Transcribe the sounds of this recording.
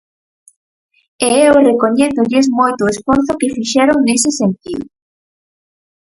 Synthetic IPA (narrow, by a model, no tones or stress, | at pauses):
eewrekoɲeθʊʎɪz̬mojt̪ʊesfoɾθʊkɪfiʃɛɾoŋnesɪsent̪iðʊ̰